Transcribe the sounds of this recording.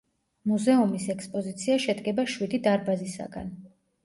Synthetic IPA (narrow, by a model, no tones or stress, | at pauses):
muzɛumisɛkspʼɔzit̪sʰiaʃɛd̪ɡɛbaʃwid̪id̪aɾbazisa̰ɡa̰n